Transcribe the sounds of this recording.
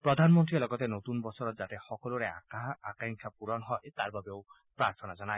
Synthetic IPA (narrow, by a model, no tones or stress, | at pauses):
pɾɔd̪ʱanmɔnt̪ɾiɔlɔɡɔt̪enot̪unbɔsɔɾɔt̪zat̪ɛxɔkɔluɾea̰kaakaŋkʰapuɾɔnɦɔt̪aɹbabeʊ | pɾaɾt̪ʰɔnazɔnaj